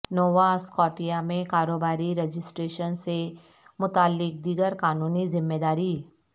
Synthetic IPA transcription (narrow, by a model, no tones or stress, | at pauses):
nɔːʋaskɔːʈijamẽkaːɾoːbaːɾiɾed͡ʒɪsʈɾeːʃənse | mʊt̪aːlːɪk̚d̪iɡəɾkaːnuːnizɪmːeːd̪aːɾiː